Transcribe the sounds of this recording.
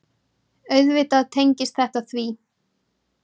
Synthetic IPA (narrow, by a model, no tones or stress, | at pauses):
œɥðvɪt̪aðt̪ʰejɲcɪst̪θɛht̪aθviː